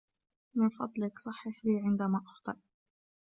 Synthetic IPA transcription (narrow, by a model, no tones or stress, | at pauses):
mɪnfɑd̪ˤlɪksˤɑħːaʃiːʕɪnd̪amaːʔɑxt̪ˤɨ̰ɾ